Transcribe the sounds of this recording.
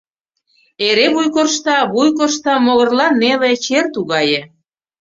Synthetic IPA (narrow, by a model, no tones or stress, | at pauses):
eɾeβujkorʃt̪ɑβujk̬orʃt̪ɑmoɣə̆rlɑnːelet͡ɕert̪uɣɑjĕ